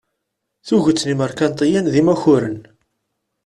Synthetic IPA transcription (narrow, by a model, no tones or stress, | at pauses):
θuʝət͡sːniməɾkænt̪ˤijænðimæçʊɾən